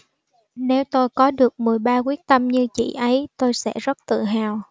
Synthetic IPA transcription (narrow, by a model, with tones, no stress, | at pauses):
ne˨˦wt̪o˧jkɔ˨˦ɗɨ˨˩ək̚mɨ˨˩əjɓaː˧kwi˦˥ək̚t̪ə˧mɲɨ˧t͡ɕḭ˧˨ʔə˨˦jt̪o˧jsɛ̰˧˥zə˦˥t̚t̪ɨ̰˧˨ɦaː˨˩w